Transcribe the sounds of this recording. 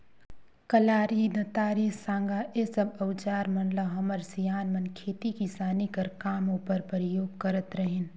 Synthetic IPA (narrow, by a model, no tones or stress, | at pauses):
kɐlaːɾinɐt̪aːɾisãːŋɡaʔesəbɐʋt͡ʃaːɾmɐnləɦɐməɾsijaːnmənkʰeːt̪ikisaːnikɐɾkaːmopəɾpəɾɪjoːɡkɐɾət̪ɾəɦen